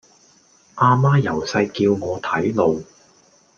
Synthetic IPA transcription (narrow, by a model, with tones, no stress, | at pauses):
ʔaː˧maː˥jɐ˨˩wsɐ˧jkiː˧wŋɔː˨˧t̪ʰɐ˨˥jlo˨˧w